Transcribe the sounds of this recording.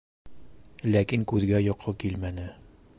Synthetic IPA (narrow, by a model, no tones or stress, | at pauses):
lækiŋkʉðɡæjɒqʰːɤkilmænɘ